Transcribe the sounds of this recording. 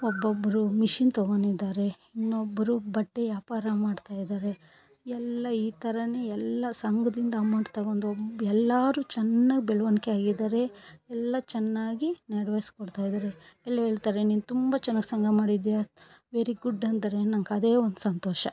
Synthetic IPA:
ɔbːobːɐɾumiʃint̪ɐɡo̞ɳid̪aːɾe̞ | inːobːɐɾubɐʈːejaːpaːɾamaːɖt̪aːjd̪aːɾe̞ | ɛlːɐiːt̪ʰɐɾɐneɛlːɐsɐŋɡɐd̪ind̪ɐamɐɳɖt̪ɐɡoːnd̪obɛlːaːɾuːt͡ʃɛnːaːɡibɛɭɐʋɐnkeaːɡid̪aːɾe̞ɛlːɐt͡ʃɛnːaːɡineɽʋejskɔɽt̪aːjid̪aːɾe̞ɛlːɐɦe̞ːɭt̪aːɾeniːnut̪umbɐt͡ʃɛnːaːɡsɐŋɡʱɐmaːɽid̪ja | ʋe̞ːɾiɡuɖːɐnd̪ɐɾe̞nɐŋkɐd̪e̞ːond̪usɐnt̪ɔːʃɐ

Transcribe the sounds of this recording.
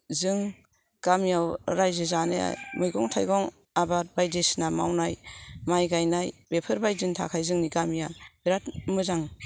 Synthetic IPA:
zɯŋ | ɡ̥amijawɾajzɯzanḛja̰mɯjɡɔŋtʰajɡɔŋ | abat̚bajdesnamawnajmajɡajnajbepʰɯɾbajzɯntʰa̰kʰajzɯŋniɡamijab̥iɾat̚mɯzaŋ

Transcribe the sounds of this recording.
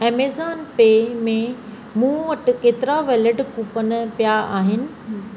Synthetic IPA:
eːmeːzaːnpeːmẽ | mũːʋɐʈɪ̆keːt̪ɪɾaʋeːləɖkuːpənpjaaːɦɪnɪ̆

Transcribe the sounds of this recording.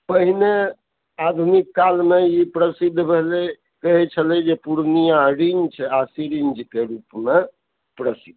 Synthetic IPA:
pəɦine | ad̪ʱunikːalmeipɾəsid̪ʱbʱele | kəɦɛt͡ʃʰəlɛd͡ʒepuɾnijãɾind͡ʒt͡ʃʰasiɾind͡ʒkeɾupme | pɾəsid̪ʱ

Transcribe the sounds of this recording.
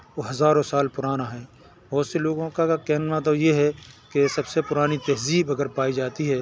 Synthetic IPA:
oɦɐzaːɾõsaːlpʊɾaːnaɦɛː | bɔːt̪seloːɡõkakɛɦnnat̪̬ojeɦɛkesɐbsepʊɾaːnit̪ɛɦziːbɐɡəɾpaːid͡ʒaːt̪iɦɛː

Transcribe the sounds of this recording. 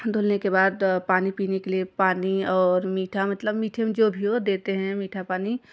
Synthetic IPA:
d̪ʱoːlnekebaːd̪paːnipiːnekeliepaːniɔːɾmiːʈʰamɐt̪ləbmiːʈʰemẽd͡ʒoːbʱiod̪eːt̪eɦɛ̃miːʈʰapaːni

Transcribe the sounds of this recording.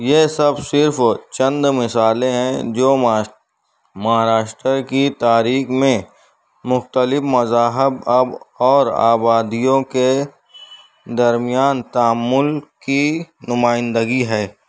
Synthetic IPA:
jesɐbsɪɾft͡ʃɐə̃nd̪mɪsaːlẽɦɛ̃d͡ʒoː | mɐɦaːɾaːʃʈɾəkit̪aːɾiːxmẽ | mʊxt̪əlɪfmɐzaːɦɪbɐbɔːɾa̰ːbaːd̪ijõke | d̪ɐɾmɪjaːnt̪aːmːʊlkinʊmaːɪ̃nd̪əɡiɦɛː

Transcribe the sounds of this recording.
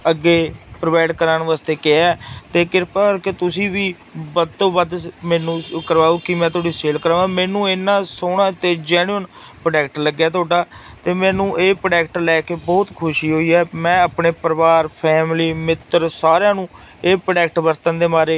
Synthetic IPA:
əɡːeːpɾʋaːɪɖkəɾaːnʋaːst̪eːkeɛːt̪eːkɪɾpaket̪ʊsĩːʋiː | bəd̪t̪õːʋəd̪mɛːnũːkəɾʋaːuːkɪmɛ̃ːt̪oːɖiːseːlkəɾaːʋãːmɛ̃ːnũːenːãːsoːɽãːt̪eːd͡ʒɛːnuən | pɾəɖɛːk̚ʈləɡːjaːt̪oːɖaːt̪eːmɛ̃ːnũːʔeːpɾɖɛːkʈlɛːkeːbɔːt̪kʰʊʃiːɦoːiːɛːmɛ̃ːapneːpəɾʋaːɾpʰɛːmliːmɪt̪ːəɾsaːɾãːnũː | eːpɾɖɛːk̚ʈbəɾt̪ənd̪eːmaːɾeː

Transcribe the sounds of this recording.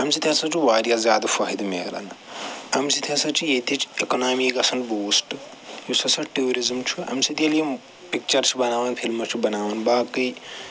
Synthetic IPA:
ɦɐmsit̪ʰjasɐt͡ʃʰiʋaːɾjazʲjaːd̪ɐfaːɦid̪mḛɡla̰n | ɐmsit̪ʰjasɐt͡ʃʰijet̪it͡ʃekonaːmikɐsʰɐnboːsʈ | josɐsɐʈeoɾizmt͡ʃʰuɐ̰msit̪eljem | pik̚t͡ʃɐɾt͡ʃʰibɐnaːʋɐnpʰilmɐt͡ʃʰibɐnaːʋɐnbaːkɐj

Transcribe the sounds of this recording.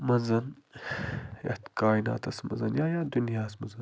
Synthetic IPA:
mɐzɐn | jɐ̰ht̪kaːina̰ːt̪ɐsmɐ̰zɐnjaːjaːd̪unjaːsmɐzɐn

